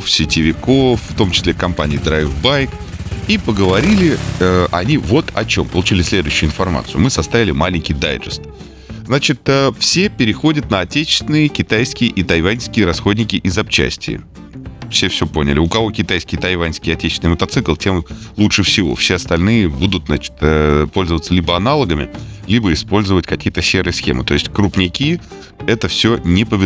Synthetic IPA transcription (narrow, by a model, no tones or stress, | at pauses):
fsʲɪtʲɪvʲɪko̞fːt̪o̞mt͡ɕɪ̥sʲlʲe̞kɐmpa̰nʲɪjɪd̪ɾajvbajk | ipəɡəvɐɾʲilʲɪəʔɐ̰nʲivo̞t̪ɐ̰t͡ɕo̞mpəlˠʊt͡ɕilʲɪsʲlʲe̞d̪ʊʉɕːʊʊːɪnfɐrma̰t̪sɨʊ̰mɨsɐst̪avʲɪlʲɪmalʲɪnʲkʲɪjd̪a̰jʐɨst̪ | znat͡ɕɪt̪əfsʲepʲɪɾʲɪxo̞dʲət̪̚nəɐtʲet͡ɕɪ̥st̪vʲɪnɨjəkʲɪt̪ajskʲɪjəʔit̪ɐjvanʲskʲɪjəɾɐsxo̞dʲnʲɪkʲɪʔɪzɐp̚t͡ɕɛ̰sʲtʲɪ̰jə̰ | fsʲe̞fsʲo̞po̞nʲɪ̰lʲɪʊkɐvo̞kʲɪt̪ajskʲɪjət̪ɐjvanʲskʲɪəɐtʲet͡ɕɪ̥snɨjmət̪ɐt̪sɨklˠtʲemlˠutʂɨfsʲɪvo̰fsʲeɐst̪ɐlʲnɨjəbud̪ʊt̪zat͡ɕɪ̥t̪əpo̞lʲzəvət̪səlʲibəɐnalˠəɡəmʲɪ̰lʲibəɪspo̞lʲzəvətʲkɐkʲijət̪əsʲeɾɨjəsxʲḛmɨ̰t̪o̞ɪsʲtʲkɾʊpnʲɪkʲi | ɛt̪əfsʲɵnʲɪpəvʲɪ